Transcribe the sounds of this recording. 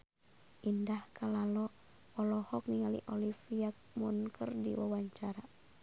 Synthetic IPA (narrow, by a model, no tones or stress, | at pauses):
ʔindahkalalɔ | ɔlɔhɔk̚niŋalḭʔɔlifiak̚munkʰə̰rdḭwawaɲt͡ʃaɾa